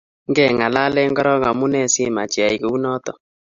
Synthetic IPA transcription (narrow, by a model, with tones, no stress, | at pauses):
ŋɡɛ˦˨ŋa˨la˦lɛ˦ŋɡɔ˦ɾɔ˦ŋa˨mu˦nɛ˦˨sɪ˦ma˨t͡ʃja˨i˨ke˨u˦nɔ˦t̪ɔ˨